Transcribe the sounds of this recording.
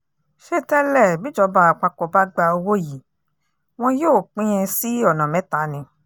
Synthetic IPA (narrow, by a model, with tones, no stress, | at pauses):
ʃe˧tɛ˦lɛ˦˨bĩ˨˦d͡ʒɔ˧˦ba˧˦a˨k͡pa˧kɔ˨ba˦ɡ͡ba˧o˧wo˦ji˨ | w̃ɔ̃˧joː˦˨k͡pĩ˦ɛ̃˧si˦ɔ˦˨nã˨mɛ̃˨˦ta˨˦nĩ˧